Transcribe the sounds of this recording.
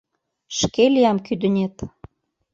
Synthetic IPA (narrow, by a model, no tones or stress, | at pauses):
ʃkelijɑmkyd̪ə̆nʲet̪